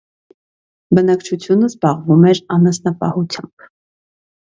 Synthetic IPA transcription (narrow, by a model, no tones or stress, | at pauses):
bənɑkt͡ʃʰut͡sʰjunəzbɑʁvumɛɾɑnɑsnɑpɑ̰hut͡sʰjɑ̰mb̥